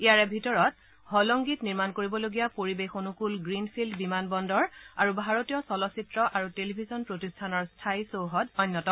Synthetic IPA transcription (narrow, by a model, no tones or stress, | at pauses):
ijaɹɛbʱitɔɹɔt | hɔlɔŋɡitniɹmankoɹibɔloɡijapoɹibexonukulɡɹinpʰildbimanbɔndɔɹaɹubʱaɹotijɔsɔlɔsitɹɔʔaɹutelibʱizɔnpɹotistʰanɔɹstʰajsowɦɔdɔjnːɔtɔ